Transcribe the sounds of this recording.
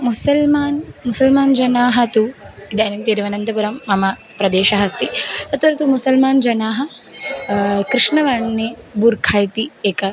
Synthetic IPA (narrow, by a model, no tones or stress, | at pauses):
musɐlmaːnmusɐlmaːnd͡ʒɐnaːɦɐt̪uid̪ɐːnimt̪iːɾʋɐnɐnd̪ɐpuɾɐmːɐmɐ | pɾɐd̪eːʃɐɦɐst̪iɐt̪ʋɐɾɐt̪umusɐlmaːnd͡ʒɐnaːɦɐ | kɾiʂɳɐʋɐɳːebuɾkʰaːjt̪ieːkɐ